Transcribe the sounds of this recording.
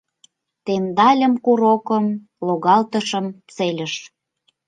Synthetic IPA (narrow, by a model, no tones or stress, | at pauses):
t̪end̪ɑlʲə̆mkuɾokəm | loɣɑlt̪əʃə̆mt͡selʲəʃ